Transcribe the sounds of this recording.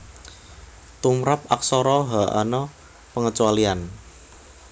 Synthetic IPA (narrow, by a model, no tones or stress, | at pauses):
t̪umɾap̚aksɔɾɔɦaʔa̰nɔ | pəŋət͡ʃualian